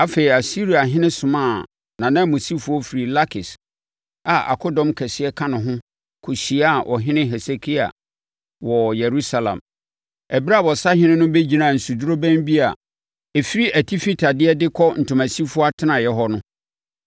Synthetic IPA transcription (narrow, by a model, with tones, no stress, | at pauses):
a˦fe˨i˨a˨si˦ɾi˨a˨ɦɪ̃˦nɪ̃˦sʊ̃˨mã˦˨ | nã˨nã˦˨mo˨si˦fʊ˦ɔ˦fi˨ɾi˨la˦kʰɪ˨s | a˨a̰˨kʰɔ˦dɔ̃˦mkʰɛ˨sɪ˦ɛ˦kʰã˦nʊ̃˨ɦʊ̃˦ | kʰo˨ɕi˨˦a˨ʔɔ˨ɦɪ̃˦nɪ̃˦ɦɛ˨se˨kʰi˦a̰˨ | wɔ˨jɛ˨ɾu˦sa˨lã̰˨m | ɛ˨bi˦ɾa˦˨bɔ˨sa˦hɪ̃˦nɪ̃˦nʊ̃˦be˦d͡ʑi˨nã˨n̩˨su˨du˦ɾo˦bæ̃˦mbi˦a̰˨ | ɛ˨fi˦ɾi˦ʔæ˨tʰi˦fi˦tʰa˨dɪ˦ɛ˦dɪ˦kʰɔ˦n̩˨tʰʊ̃˨mæ̃˨si˦fʊ˦ɔ˦a˦tʰɪ˦nã˨jɛ˦ɦɔ˦nʊ̃˦